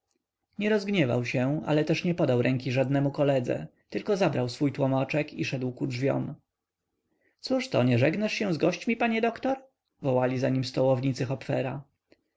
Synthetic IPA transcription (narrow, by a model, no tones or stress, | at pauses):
ɲɛɾɔzɡɲɛva̰wɕɛa̰lɛt̪ɛʂɲɛpɔd̪awɾʔɛŋkʲiʐad̪nɛmukɔlɛd̪zɛ̰t̪ɘlkɔzabɾawsfujt̪wɔmat͡ʂɛkiʂɛd̪wkudvʲjɔ̰m | t̪suʂt̪ɔɲɛʐɛɡnaʂɕɛ̃zɡɔɕt͡ɕmʲipaɲɛd̪ɔkt̪ɔɾ | vɔwalʲizaɲimst̪ɔwɔvɲit̪sɘxɔpfɛɾa